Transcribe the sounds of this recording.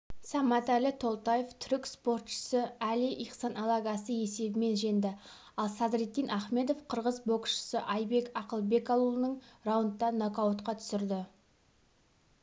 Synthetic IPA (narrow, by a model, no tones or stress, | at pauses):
sɑmɑt̪ælɪt̪ʰo̞lˠt̪ajeft̪ʰʏɾɪkspo̞rt̪ʃə̥səælɪʔiqsɑnɑlˠɑɡɑsəje̞se̞bɪme̞nʒe̞nd̪ɪ | ɑlˠsɑd̪ɾet̪ːijnʔɑχme̞d̪o̞fqʰəɾʁəzbo̞kʃə̥səʔɑjbe̞kɑqəlˠbe̞kɑlˠulˠənəɴrawnt̪ːɑnokawot̪qɑt̪ʰʏ̥sɪɾd̪ɪ